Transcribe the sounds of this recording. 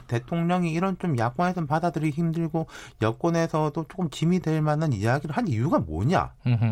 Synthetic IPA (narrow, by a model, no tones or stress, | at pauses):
te̞tʰoŋɲʌŋiːɾʌnt͡ɕomjak͈̚wʌnesʰʌnpadadɯɾiçimdɯɭɡojʌk͈̚ʌne̞sʰʌdot͡ɕ͈ok͈ɯmt͡ɕimidwe̞ɭmanɯnijaɡiɾɯɭɦanijuɡamo̰ɲa̰